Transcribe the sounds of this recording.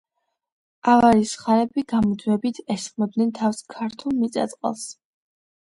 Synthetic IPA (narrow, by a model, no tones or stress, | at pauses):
ʔavaɾisχaɾɛbiɡamɔd̪wɛbit̪ʰɛsχmɔd̪nɛnt̪ʰafskʰaɾt̪ʰulˠmit̪sʼa̰t̪sʼqʼa̰lˠs